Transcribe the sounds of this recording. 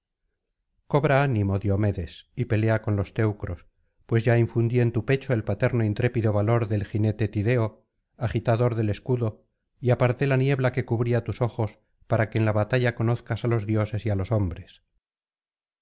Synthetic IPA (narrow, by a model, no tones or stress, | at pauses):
ko̞βɾaanimo̞ðjo̞me̞ðe̞sipe̞le̞ako̞nlo̞st̪e̞wkɾo̞s | pwe̞zʝaiɱfund̪ie̞nt̪upe̞t͡ʃoe̞lpat̪e̞ɾnoint̪ɾe̞piðo̞βalo̞ɾðe̞lxine̞t̪e̞t̪iðe̞o | aχit̪aðo̞ɾðe̞le̞skuðo̞ | iapaɾt̪e̞lanje̞βlake̞kuβɾiat̪uso̞xo̞s | paɾake̞ːnlaβat̪aʝako̞no̞θkasalo̞zðjo̞se̞sialo̞so̞mbɾe̞s